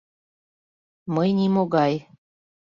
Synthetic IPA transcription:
mɤjnimoɣɑj

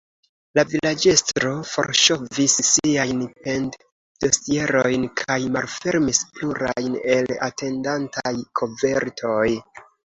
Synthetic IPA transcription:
lavilad͡ʒe̞stɾo̞fo̞̰ɾʃo̞visːiajnpe̞nt | d̥o̞sie̞ɾojnkʰajmalfe̞ɾmispluɾa̰jne̞la̰te̞ndantʰajkʰo̞ve̞ɾtʰo̞j

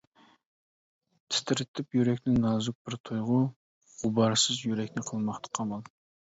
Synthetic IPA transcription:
t̪ʰɪ̥st̪ʰɪɾɪt̪ʰːɪpjyɾɛkʲnɪŋnɑːzuk̚bɪɾt̪ʰujʁʊ | ʁ̥ʊbɑɾsɨzjyɾɛkʲnɪqʰəlˠmɑχt̪ʰɑ̥qʰɑmɑlˠ

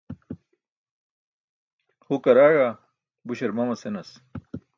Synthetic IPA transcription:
hukɐɾaːɻa | buɕɐɾmɐmɐsenɐs

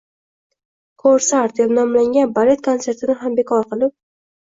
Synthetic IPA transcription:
kʰoɾsaɾt̪̚d̪epnɒmlaŋɡʲanbale̞t̪̚kʰont̪se̞ɾt̪ʰɪnɪɦambe̞kʰɒɾqɨlˠɪp̚

